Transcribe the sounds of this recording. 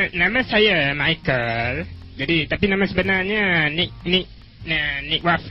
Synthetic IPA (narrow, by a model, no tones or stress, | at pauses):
nãmãsajamajkəl | d͡ʒadit̪apinãmãsəbənarɲanik̚nik̚ | nanik̚waf